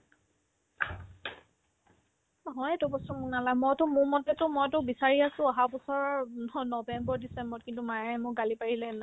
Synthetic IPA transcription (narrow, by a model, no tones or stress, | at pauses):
nɔɦɔjɛtʊbɔstɔmuknalamɔjtʊmʊmɔtɛtʊmɔjtʊbisaɹiasʊ̃aɦabɔsɔɹnɔnɔbɛmbɔɹdisɛmbɔt̚kintumajɛɛmʊkɡalipaɹilɛna